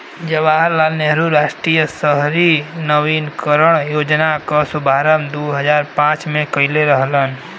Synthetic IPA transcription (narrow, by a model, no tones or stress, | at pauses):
d͡ʒəʋaːɦəɾlaːlneɦəɾuɾaːʃʈɾiːjəsəɦɾinəʋinkəɾəɽ̃joːd͡ʒnakasubʱaːɾəmd̪uɦəd͡ʒaːɾpãːt͡ʃmẽkəɪleɾəɦlən